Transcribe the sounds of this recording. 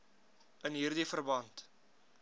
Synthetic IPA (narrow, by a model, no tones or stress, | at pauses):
ənɦiːrdifərbɐnt